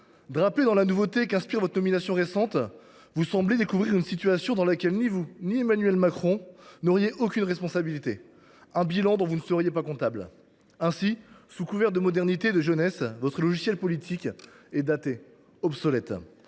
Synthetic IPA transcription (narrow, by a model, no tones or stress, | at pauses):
d̪ʁaped̪ɑ̃lanuvot̪ekɛ̃spiʁvɔt̪χənɔminasjɔ̃ʁesɑ̃t̪ | vusɑ̃bled̪ekuvʁiʁynsit̪ɥasjɔ̃d̪ɑ̃lakʲɛlnivuniemanɥɛlmakχɔ̃nɔʁjeʔokʲynʁɛspɔ̃sabilit̪e | ɛ̃bilɑ̃d̪ɔ̃vunəsəʁjepakɔ̃t̪abl | ɛ̃sisukuvɛʁt̪̚d̪əmɔd̪ɛʁnit̪ed̪əʒənɛsvɔt̪χəlɔʒisjɛlpɔlit̪ʰikʲ | ɛd̪at̪e | ɔpsɔlɛt̪